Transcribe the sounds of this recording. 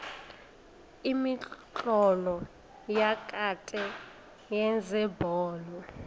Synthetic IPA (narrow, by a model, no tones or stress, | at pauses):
imiǃɔlɔ | jakʼatʼɛ | jɛnd͡zʱɛbʱɔːlɔ